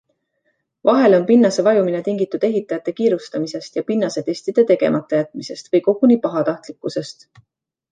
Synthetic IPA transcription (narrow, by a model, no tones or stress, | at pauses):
vɑɦe̞lo̞npinːɑse̞vɑjumine̞t̪iŋɡit̪ːˑud̪̥e̞ɦit̪ːˑɑjɑt̪ːˑe̞kiːɾust̪ɑmise̞st̪jɑpinːɑse̞t̪e̞sʲt̪id̪̥e̞t̪e̞ɡe̞̰mɑt̪ːˑɑjæt̪ːˑmise̞st̪vɤjko̞ɡ̥unipɑɦɑt̪ɑht̪likːˑuse̞st̪